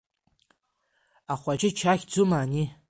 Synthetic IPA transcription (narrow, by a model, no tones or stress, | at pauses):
aχʷad͡ʒɪt͡ʃʰaxʲd͡zʊmani